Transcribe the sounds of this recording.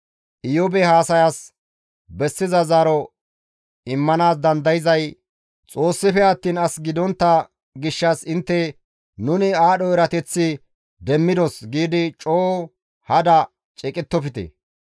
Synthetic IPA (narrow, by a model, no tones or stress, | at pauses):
ʔɪjɔbɛhaːsɐjas | bɛsːɪzɐzaːɾɔ | ɪmːɐnaːsd̪ɐnd̪ɐjɪzɐj | t͡sʼo̞ːsːɪfɛɐt̪ːiːnɐsɡɪd̪ɔnt̪ːɐ | ɡɪʃːɐsɪnt̪ːɛ | nʊnɪaːɗɔɛɾɐt̪ɛt͡sːɪ | d̪ɛmːɪd̪ɔsɡiːd̪ɪt͡ʃʼoː | hɐd̪ɐ | t͡ʃʼɛkʼɪt̪ːɔfɪt̪ɛ̰